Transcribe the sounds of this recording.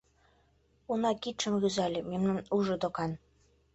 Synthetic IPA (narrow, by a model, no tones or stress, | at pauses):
unɑkit̪ʃə̆mɣyzælʲɘ̆memnɑnuʒɤ̆d̪okɑn